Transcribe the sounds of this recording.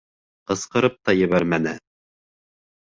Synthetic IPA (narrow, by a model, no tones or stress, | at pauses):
qɤ̆sqɤ̆ɾɤp̚t̪ɑjɘ̆βæɾmænɘ